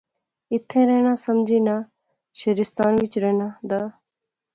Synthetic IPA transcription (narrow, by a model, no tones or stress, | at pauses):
ɪt̪ʰːẽːɾɛːñaːsəmd͡ʒiːnaː | ʃeɾɪst̪aːnʋɪt͡ʃɾɛːnaːd̪aː